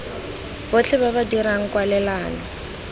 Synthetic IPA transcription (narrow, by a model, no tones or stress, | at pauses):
bʊt͡ɬʰɛbaβadiɾaŋ̩kwalɛlaːna